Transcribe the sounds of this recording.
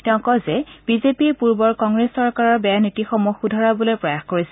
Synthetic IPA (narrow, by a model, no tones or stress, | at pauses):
tɛʊ̃kɔzɛb̥izepiepuɹbɔɹkɔŋɡɹesːɔɹkaɹɔɹbɛjanitixɔmuxudʱaɹabolojpɹɔjaxkoɹisɛ